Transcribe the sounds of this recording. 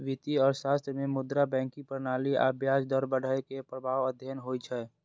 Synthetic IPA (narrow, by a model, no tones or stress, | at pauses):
ʋɪt̪iɔːɾʃaːst̪ɾəmẽmʊd̪ɾabɛ̃ːŋkipəɾnaːlia̰ːbʱjaːsd̪ɔɾbəɽaekepɾəbʱaːʋəd̪ʱjənɦoːit͡ʃʰɛː